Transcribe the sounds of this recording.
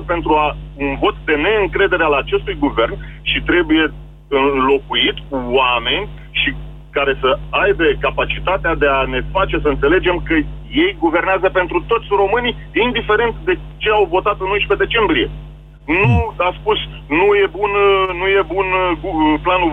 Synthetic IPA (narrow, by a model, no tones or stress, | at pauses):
əpe̞nt̪ɾuaunvo̞t̪d̪e̞ne̞ɨŋkɾe̞d̪e̞ɾealat͡ʃe̞st̪ujɡuve̞rnʃit̪ɾe̞buje̞ | ɨnnlo̞kuit̪ʲːame̞nʲ | ʃi | kaɾe̞səajbe̞kapat͡ʃit̪at̪ead̪e̞ane̞fat͡ʃe̞səɨnt̪se̞le̞d͡ʒe̞mkəje̞jɡuve̞rneazəpe̞nt̪ɾut̪o̞t̪sʲro̞mɨnij | ind̪ife̞ɾe̞nt̪d̪e̞ | t͡ʃe̞awvo̞t̪at̪ɨnojʃpe̞d̪e̞t͡ʃe̞mbɾie̞ | nuaspus | nuje̞bunnuje̞bunuplanu